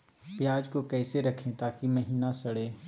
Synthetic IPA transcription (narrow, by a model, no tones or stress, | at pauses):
pjaːd͡ʒkokɛːseɾɐkʰẽt̪aːkimɐɦiːnasɐɽeː